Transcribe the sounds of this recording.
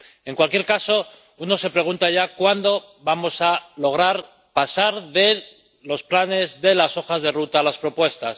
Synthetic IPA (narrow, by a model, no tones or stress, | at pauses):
e̞ŋkwalkje̞ɾkaso̞ | uno̞se̞pɾe̞ɣunt̪aʝakwand̪o̞ | βamo̞salo̞ɣ̞ɾaɾ | pasaɾðe̞ | lo̞splane̞zðe̞laso̞xazðe̞rut̪alaspɾo̞pwe̞st̪as